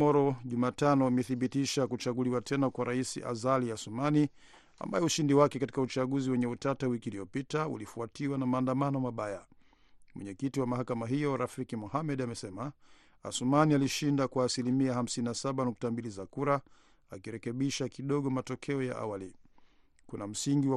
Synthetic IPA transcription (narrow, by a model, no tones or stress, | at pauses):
ɔɾɔʄumaːtanɔimɛθiɓitiʃakut͡ʃaɠuliwatʰɛnakwaɾaisḭʔa̰zaliasumani | a̰mba̰jɛuʃindiwakɛkati̥kaut͡ʃaɠuziwɛɲɛutatawikiːliɔpitaṵlifuatiwanamaːndamanɔmaɓaja | mwɛ̰ɲɛkitiwamahakamaɦijɔɾafikimuhamɛɗamɛsɛma | a̰sumanialiʃindakwaːsilimiaham̩sininasaɓanuktambilizakuɾa | akiɾɛkɛɓiʃakiɗɔɠɔmatɔkʰɛɔja̰ʔa̰wali | kunam̩siŋɡiwa